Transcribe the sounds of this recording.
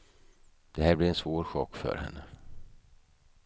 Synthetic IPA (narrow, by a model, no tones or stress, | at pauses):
d̪̥ɛhæːɾblɪɾɛnsvoːɾɧɔ̰kːfœ̰ɾhɛ̰nːə